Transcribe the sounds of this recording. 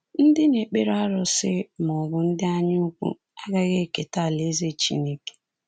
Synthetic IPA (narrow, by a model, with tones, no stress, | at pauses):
n̩˦dɪ˦ne˨k͡pe˦ɾa˦ɾʊ˨sɪ˦m˨ɔ˨bʊ˨n̩˦dɪ˦a˦ɲɪ˦u˦kʷṵ˦ | a˦ɡa˦ɣe˦˨ke˨ta˦˨le˨˦ze˦t͡ʃḭ˦ne˦ke̥˨